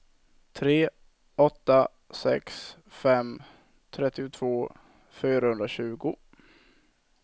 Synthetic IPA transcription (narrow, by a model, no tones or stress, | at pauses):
t̪ʰɾeː | ɔt̪ːa | sɛ̰ksfɛm | t̪ʰɾɛt̪ːɪʊt̪ʰv̥oː | fyːɾahɵnd̪ɾaɕʉ̟ːɡʊ